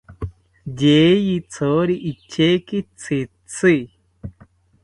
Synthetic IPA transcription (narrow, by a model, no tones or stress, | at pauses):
d͡ʑejit͡sʰoːɾiʔit͡ɕʰekit͡sʰi | t͡sʰi